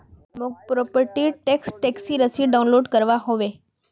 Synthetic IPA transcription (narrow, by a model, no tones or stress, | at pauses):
mopɾopəɾʈiʈeksʈeksiɾəsiɖaũnloɖkəɾʋaɦoʋe